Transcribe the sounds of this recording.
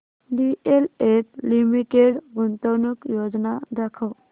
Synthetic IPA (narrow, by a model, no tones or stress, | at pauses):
ɖieletlimiʈeɽɡunt̪əwnukjod͡znad̪akʰəw